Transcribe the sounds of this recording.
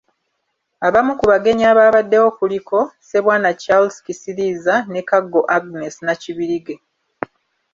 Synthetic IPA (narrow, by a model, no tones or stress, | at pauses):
aβamukuβaɡe̞ɲaːβaːβadːe̞wo̞ːkulikʰo̞se̞βwaːnat͡ʃalskisilizane̞kaɡːo̞ʔaɡne̞sinaciβiɾiɡe̞